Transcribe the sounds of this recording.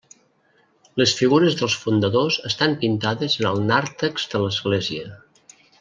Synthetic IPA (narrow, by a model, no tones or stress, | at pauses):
ləsfiɣuɾəzðəlˠsfund̪əðozəst̪ampint̪aðəzənəlˠnaɾt̪əkz̥ðələzɣleziə